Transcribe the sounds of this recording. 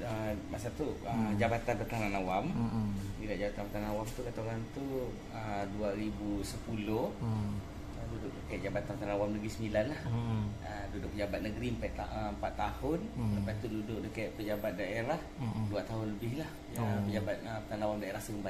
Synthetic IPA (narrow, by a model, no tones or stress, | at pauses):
əmasat̪uəd͡ʒabat̪anpət̪ananawambidaʔd͡ʒabat̪anpət̪anaawamt̪ukat̪oɾant̪u | əduaɾibusəpulʊh | ədudʊʔ̚dəkajʔ̚d͡ʒabat̪anpət̪ananawamnəɡɾisəmilanlah | ədudʊʔ̚pəd͡ʒabat̪̚nəɡɾiəmpajʔt̪aəmpat̪ːahʊnlapat̪ududʊʔ̚dəkaiʔ̪pəd͡ʒabat̪̚daeɾahduat̪aɦʊnləbɪhlah | pəd͡ʒabat̪̚əpət̪anawamdaeɾahsəkəmpa